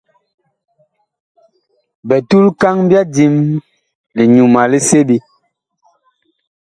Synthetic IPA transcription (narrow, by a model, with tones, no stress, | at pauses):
bɛ˨tu˦lka˦ŋbja˦di˦m | li˨ɲu˨ma˨li˦se˦bi˦